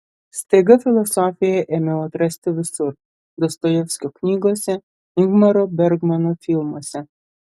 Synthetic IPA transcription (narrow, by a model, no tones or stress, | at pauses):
sʲt̪ʲeɡɐfʲɪlˠɔsɔːfʲɪjɛʔɛmʲɛɔt̪ɾɐsʲt̪ʲɪʋʲɪsʊɾ | d̪ɔst̪ɔjɛfsʲkʲɔknʲiːɡoːsʲɛ | ɪɡmɐɾɔbʲɛɾɡmɐnɔfʲilˠmoːsʲɛ